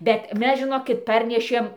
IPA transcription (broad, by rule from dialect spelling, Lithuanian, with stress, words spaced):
bʲɛt ˈmʲɛs ʒʲɪˈnoːkʲɪt ˈpɐrʲnʲɛʃʲeːm